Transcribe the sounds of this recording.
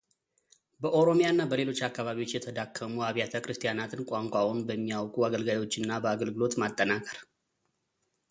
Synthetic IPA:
bəʔo̞ɾo̞mijanːabəle̞lo̞t͡ʃːakːaβaβiwo̞t͡ʃːjɛt̪ʰəd̪akʰːəmuaβjat̪ʰəkʼɾɨst̪ʼijanat̪ʰɨnkʷʼaŋkʷʼawunbəmːijawkʼuaɡəlɡajo̞t͡ʃːɨnːabəaɡəlɡɨlot̪mat̪ʼːənakʼəɾ

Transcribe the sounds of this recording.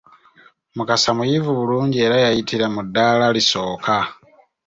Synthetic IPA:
mukasamujivuβuluːɲɟie̞ːɾajajitiɾamudːaːlaliso̞ːkʰa

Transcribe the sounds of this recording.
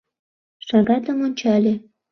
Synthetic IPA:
ʃɑɣɑt̪əmonʲt͡ɕɑlʲe

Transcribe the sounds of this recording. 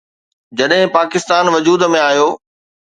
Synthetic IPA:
d͡ʑɐɗɦɪ̃paːkɪst̪aːnʋɐd͡ʑuːd̪ə̆mẽaːjoː

